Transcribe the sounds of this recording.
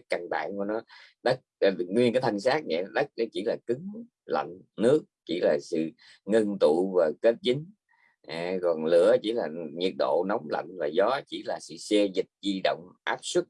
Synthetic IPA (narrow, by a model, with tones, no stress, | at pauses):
ka˧˩nɓa̰ː˧˨nku˧˩nɔ˨˦ | ɗə˦˥k̚ːŋwi˧nkaː˨˦jt̪ʰə˧˩ŋsaː˦˥k̚nɛ̰˧˨˦ɗə˦˥k̚ɗə˨˦t͡ɕi˧˩˦laː˨˩kɨ˨˦ŋ | la̰˧˨jŋ̟nɨ˦˥ək̚t͡ɕḭ˧˩laː˨˩sɨ̰˧˨ | ŋə˧nt̪u˧˨vaː˨˩ke˦˥t̚t͡ɕï˨˦ŋ̟ | ʔkɔ˨˩nlɨ̰˧˩˨ət͡ɕi˧˩laː˨˩ɲi˨˩ət̚ɗo̰˧˨nɔ˨˦wŋ͡mla̰˧˨jŋvaː˨˩zɔ˨˦t͡ɕi˧˩laː˨˩sɨ̰˧˨sɛ˧zï˨˩k̚zi˧ɗə̰˧˨wŋ͡mʔaː˦˥p̚su˦˥t̚